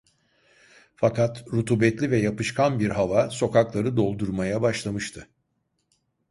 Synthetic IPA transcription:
fakat̪ɾut̪ʰuːbɛt̪lʲivɛjapɯʃkʰanbiɾɦavaso̞kaklˠaɾɯd̪o̞lˠd̪uɾmajabaʃlˠamɯʃt̪ʰɯ

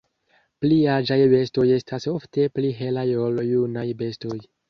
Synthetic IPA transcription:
pliad͡ʒajbe̞sto̞je̞staso̞fte̞pliɦe̞lajo̞ljunajbe̞sto̞j

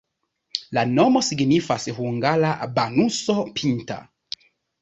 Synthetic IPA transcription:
lanomosiɡnifashuŋɡalabanusopʰinta̰

